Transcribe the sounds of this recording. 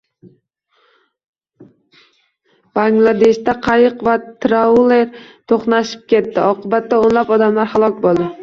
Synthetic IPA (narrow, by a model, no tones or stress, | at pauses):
b̥aŋɡlˠad̪e̞ʃt̪aqʰɑjɨqvat̪ɾaleɾt̪ʰoχnaʃɪ̥p̚kʲe̞t̪ːɪɒqʰɨbat̪ːaonlapɒd̪amlaɾhalˠɒkʲbolˠd̪ɪ